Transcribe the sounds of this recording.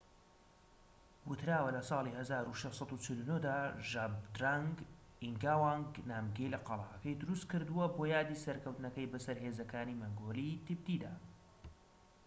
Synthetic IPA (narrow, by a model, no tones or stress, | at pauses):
wʊt̪ʰɾaːwɐlɐsˤɑːlˠihɐzaːɾuʃeʃsˤɑd̪ut͡ʃɪlunod̪aːʒabd̪ɾaŋɡiŋɡaːwaŋɡnaːmɡejlɐqɑlˠɑ̰ːʔɐkɐjd̪ʊɾust̪̚kɨɾd̪uwɐboːjaːd̪iːsɐɾkʰɐwt̪nɐkɐjbɐsɐɾheːzɐkaːnimɐŋɡoːlit̪ɨb̚d̪id̪aː